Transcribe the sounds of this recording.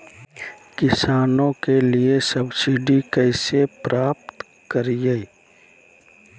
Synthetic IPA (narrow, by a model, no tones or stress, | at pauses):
kɪsaːnõkeliesɐbsiɖikɛɪsepɾaːp̚t̪ | kəɾijeː